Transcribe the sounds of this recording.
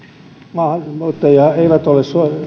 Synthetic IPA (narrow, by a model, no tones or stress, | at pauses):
mɑhmut̪ːeiɑeiʋæt̪olesso